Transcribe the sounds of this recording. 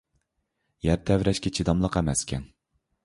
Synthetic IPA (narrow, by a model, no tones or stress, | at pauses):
jæɾt̪ʰɛvɾɛʃkʲɛt͡ʃʰid̪ɑmlˠəqæmɛskʲʰɛn